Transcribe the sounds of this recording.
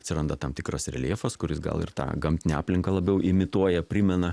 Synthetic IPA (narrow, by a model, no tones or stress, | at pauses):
ɐt̪sʲɪɾɐnd̪ɐt̪ɐmt̪ʲɪkɾosɾʲɛ̰lʲeːfoskʊɾʲɪsɡɐ̰lˠɪ̰rt̪ɑ̰ːɡɐmʲt̪ʲɪnʲɪɑːpʲlʲɪŋkɐlˠɐbʲɛʊʔɪmʲɪt̪uɔjɛpʲɾʲɪmʲɛnɐ